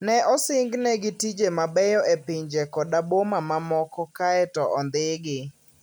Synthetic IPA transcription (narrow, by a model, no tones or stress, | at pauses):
nɛʔɔsɪŋɡnɛɡɪtid͡ʒemabɛjɔʔepɪɲd͡ʒekɔdabomamamɔkɔkaɛtɔʔɔnd̪ɪɡɪ